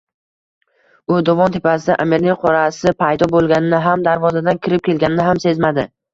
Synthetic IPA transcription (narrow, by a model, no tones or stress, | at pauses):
ʊd̪ɒvɒnt̪ʰepʰasɪd̪aʔameɾnɪqʰɒɾasɪpʰajd̪ɒbolˠɡʲanɪnɪɦamd̪aɾvɒzad̪ankʲʰɪɾɪp̚kʲʰe̞lɡʲanɪnɪɦamse̞zmad̪ɪ